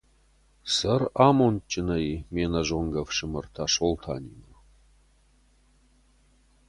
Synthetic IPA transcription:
sɐramont͡ʃʼːɪnɐjmenɐʒoŋɡɐvʂɨmɨrt̪ʰaʂolt̪ʰa̰ːnʲimɨ

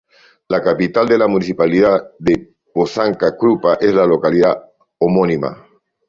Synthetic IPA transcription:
lakapit̪ald̪elamũniθipaliðaðe | bosaŋkakɾupaʔezlalo̞kaliða̰ | omonima̰

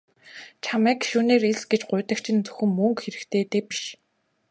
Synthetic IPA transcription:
t͡ɕʰamæːkʃuːneːɾeɮsɡet͡ɕɢʊ̟ːt̪ə̆kt͡ɕʰĭnt͡sɵ̥xɘ̆mːɵŋkxeɾɘ̆kt̪ʰeːt̪eːpi̥ʃ

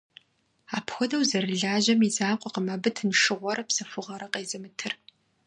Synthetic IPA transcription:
aːpʰxʷɔdɐwzɐɾɨɮaːʑɐmizaːqʷʼɔqəmɐbɨtʰnʂɨʁʷɔɾɐpsɐfʊʁɐɾɐqeːzɐmɨtʰɨr

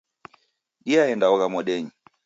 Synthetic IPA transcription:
ɗiaɛndaɔɣamɔɗɛɲi

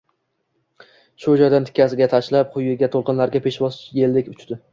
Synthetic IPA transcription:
ʃod͡ʒɒd̪ant̪ʰɪ̥kʲʰːasɪɡʲat̪ʰaʃlap̚qʰʊjɪɡʲat̪ʰolˠqɨnlaɾɡʲapʰe̞ʃbɒsjelːɪkʲʊt͡ʃd̪ɪ

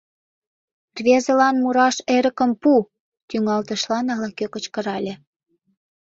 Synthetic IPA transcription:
rβʲezə̆lɑnmuɾɑʃeɾə̆kə̆mpu | t̪yŋɑlt̪ə̆ʃlɑnɑlɑkøkə̆t͡ɕkə̆ɾɑlʲĕ

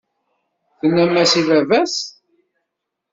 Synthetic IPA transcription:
θənːæmːæsivævæs

